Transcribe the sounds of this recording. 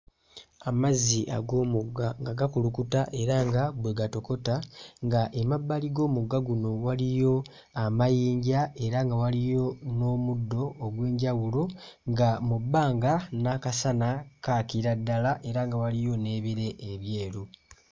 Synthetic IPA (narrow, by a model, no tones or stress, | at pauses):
amaziʔa̰ɡo̞ːmuɡaŋɡaɡakulukutaʔe̞ɾaŋɡabweɡato̞ko̞taŋɡaʔemabːaliɡo̞ːmuɡːaɡuno̞walijo̞ | amajiːɲɟae̞ɾaŋɡawalijo̞no̞ːmudːo̞ːɡwe̞ːɲɟawulo̞ | ŋɡamubːaːŋɡanakasanakaːkiɾadːalaʔe̞ɾaŋɡawalijo̞ne̞ːβiɾe̞ʔːβje̞ːɾu